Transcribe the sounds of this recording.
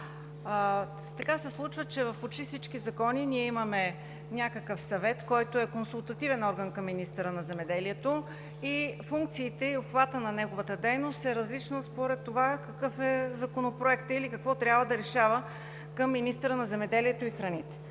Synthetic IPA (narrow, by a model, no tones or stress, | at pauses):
t̪ɐkasɛslˠut͡ʃvət͡ʃɛvɐfpot͡ʃt̪ifsit͡ʃkizɐkɔniniɛimɐmɛ | nʲakəkəfsɐvɛt̪kɔjt̪oɛkonsulˠt̪ɐt̪ivɛnɔɾɡənkɐmːinist̪əɾənɐzɛmɛd̪ɛliɛt̪o | ifuŋk̚t̪siːt̪ɛiopxvat̪ənɐnɛɡovət̪əd̪ɛjnost̪ɛɾɐzlit͡ʃnəspoɾɛt̪ːovakɐkɤfɛzɐkonopɾoɛkt̪əilikɐkvɔt̪ɾʲjabvəd̪ɐɾɛʃavə | kəmːinist̪əɾənɐzɛmɛd̪ɛliɛt̪oixɾɐnit̪ɛ̥